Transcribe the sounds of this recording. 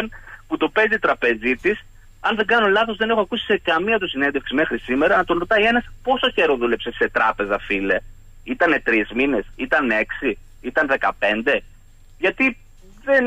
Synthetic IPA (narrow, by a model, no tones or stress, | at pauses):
nput̪upe̞ziːt̪ɾɐpe̞zit̪is | ɐnðe̞ŋɡɐnolɐθo̞zðe̞ne̞xoɐkusi̥se̞kɐmiɐt̪̬usine̞nd̪e̞fksime̞xɾisime̞ɾɐnɐt̪o̞nɾo̞t̪ɐie̞nɐspo̞soçe̞ɾo̞ðule̞pse̞se̞t̪ɾɐpe̞zɐfile | it̪ɐne̞t̪ɾizmine̞sit̪ɐne̞ksi | it̪ɐnðe̞kɐpe̞nd̪e̞ | ʝɐt̪i | ðen